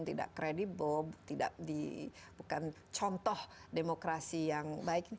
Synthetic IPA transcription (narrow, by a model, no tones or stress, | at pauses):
ŋt̪ida̰ʔkɾedibəlbt̪ida̰ʔdḭbukan | t͡ʃɔnt̪ɔhdemokɾasijaŋbaɪk